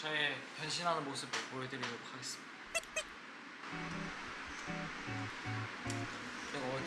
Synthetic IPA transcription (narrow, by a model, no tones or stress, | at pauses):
t͡ɕʌepjʌnɕʰinɦanɯnmos͈ʰɯbpojʌdɯɾidoɾokʰaɡe̞s͈ɯmɲid̥a | keɡʌ